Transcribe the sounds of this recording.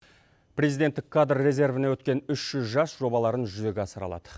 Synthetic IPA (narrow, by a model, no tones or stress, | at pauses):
prʲe̞zijd̪et̪ːɪkʰːad̪rːe̞ze̞rvɪnewɵt̪̚kʲe̞nʏʃʒ̥ʏzʒɑsʒ̥o̞bɑlˠɑɾənʒʏze̞ɡʲeɑsəɾɑlˠɑ̰d̪̥ə